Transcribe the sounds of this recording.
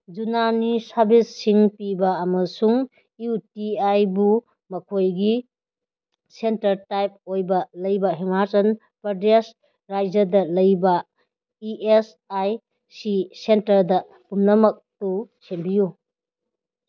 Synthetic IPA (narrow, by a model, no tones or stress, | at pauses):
d͡ʒunanisɐɾbisːiŋpibɐːmɐsuŋ | iutiajbu | mɐkʰojɡi | sentɐɾtajp̚ojbɐlɐjbɐɦimaɾsɐn | pɾɐdes | ɾajd͡ʒɐdɐlɐjbɐ | iʔes | aj | sisentɐɾdɐ | pumnɐmɐk̚tusembiju